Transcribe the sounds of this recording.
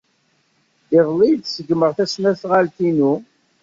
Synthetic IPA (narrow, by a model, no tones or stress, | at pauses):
ɪðˤlijd̪səɡməʁθæsnæθʁalt̪inu